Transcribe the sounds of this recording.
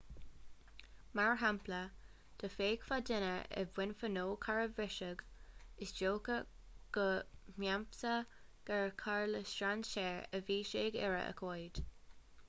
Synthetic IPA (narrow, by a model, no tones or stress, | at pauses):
maɹɦamplə | d̪̥əfeːɡ̥fad̪ɪnəɛ̰vwɪnfənoːkʰaɹəvɪʃəɡ | ɪsd͡ʒoːkə | ɡ̥əmjampsə | ɡ̥aɹkʰaɹləsʃɹanʃɛːɹəviːʃeːɡɛ̰ɹə̰ʔə̰kʰojd̥